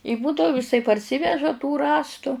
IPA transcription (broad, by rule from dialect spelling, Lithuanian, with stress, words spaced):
ɪ ˈbuːdɐʊ ɪˈsɐɪ pɐrʲˈsʲiːʋʲɛʒɐ tuː ˈrɑːstʊ